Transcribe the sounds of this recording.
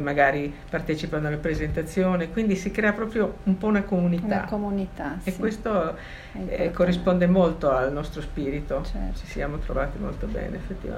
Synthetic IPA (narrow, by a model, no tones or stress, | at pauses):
maɡaːɾi | part̪ɛːt͡ʃipanoalːapɾezent̪at̪sːjoːnekwind̪isikɾɛːapɾɔːpɾjoumpɔunakomunit̪a̰kounit̪aewest̪o | korːispond̪emolt̪oalnɔst̪ɾospiːɾit̪ot͡ʃi̥siaːmot̪ɾo̰vaːt̪imo̰lt̪obɛ̰ːneefːet̪ːiva̰